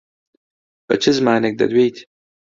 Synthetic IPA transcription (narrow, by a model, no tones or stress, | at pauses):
bɐ̰t͡ʃʰizmaːnek̚d̪ɐ̰d̪wejt̪